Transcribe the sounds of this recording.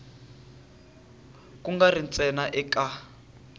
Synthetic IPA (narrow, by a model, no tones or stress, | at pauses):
kuŋɡarint͡sɛnaʔɛka